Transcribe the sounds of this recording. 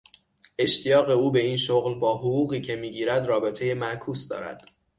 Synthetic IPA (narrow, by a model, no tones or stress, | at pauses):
ʔe̞ʃt̪ʰijɒːɣe̞uːbe̞iːnʃoɣlbɒːɦoɣuːɣiːcʰe̞miːɟiːɾæd̪rɒːbe̞t̪ʰe̞jemæʔkʰuːsd̪ɒ̰ːɾæ̰d̪̥